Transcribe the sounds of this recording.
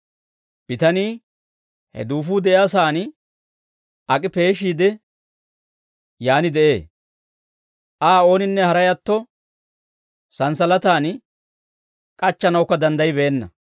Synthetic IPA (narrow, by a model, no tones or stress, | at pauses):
b̥ɪt̪ɐniː | hɛ̰d̪uːfuːd̪ɛʔɪaːs̬aːn | ʔɐkʼɪpe̞ːʃiːd̪ɛ | jaːnɪd̪ɛʔe̞ː | ʔaːo̞ːnɪnːɛhɐɾɐjɐt̪ːɔ | sɐnsɐlɐt̪aːn | kʼɐt͡ʃːɐnɐwʊkːɐd̪ɐnd̪ɐjbe̞ːnːɐ̰